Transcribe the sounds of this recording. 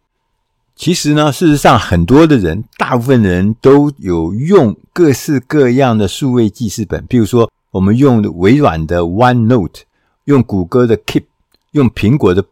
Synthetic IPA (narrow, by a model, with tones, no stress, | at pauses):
t͡ɕʰi˧˥ʂɻ̩˧˥nə˧ʂɻ̩˥˩ʂɻ̩˧˥ʂɑ˥˩ŋxə˨˩nt̪wɔ˥d̪ə˨ɻə̰˧˥nt̪a˥˧pu˥˩fə˥˩nɻə˧˥nt̪o˥ʊjo˨˩ʊjʊ˥˧ŋkɤ˥˧sɹ̩˥˧kɤ˥˧jɑ˥˩ŋd̪ə˩ʂu˥˧we˥˧ɪt͡ɕi˥˧ʂɻ̩˥˩pə̰˨˩˦npi˧˥ɻu˧˥ʂwɔ˥ | wɔ˨˩mə˦njʊ˥˩ŋwe˧˥ɪtwa̰˨˩nd̪ə˦wa˥nno˥˩ʊt̪ʰ | jʊ˥˩ŋku˨˩kɤ˥d̪ə˨kʰi˥˩p̚ | jʊ˥˩ŋpʰi˧˥ŋkwɔ˧˥d̪ə˧